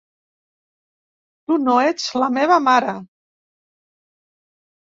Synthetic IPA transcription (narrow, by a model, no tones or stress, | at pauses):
t̪unoed͡zləmeβ̞əmaɾə